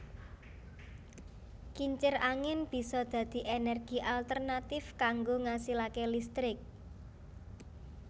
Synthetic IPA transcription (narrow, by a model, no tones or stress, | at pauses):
kiɲt͡ʃɪraŋɪnb̥i̤sɔd̪̥ä̤d̪̥i̤ʔenɛrɡ̥iʔalt̪ərnat̪ɪfkaŋɡoŋasilakelist̪ɾɪk̚